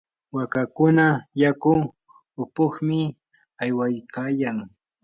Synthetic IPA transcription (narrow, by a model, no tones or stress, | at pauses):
wakakʊnajakʊ | ʊpʊχmɪ | ajwajkaːjaŋ